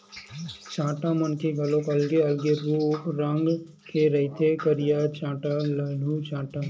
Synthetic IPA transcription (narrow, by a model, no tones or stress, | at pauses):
t͡ʃãːʈamənkeɡʱɐlõkɐlɡeɐlɡeɾupɾɐŋɡ | kʰeɾɐɦit̪ʰekəɾijaːt͡ʃãːʈalɐɖ̤ʱuːt͡ʃãːʈaː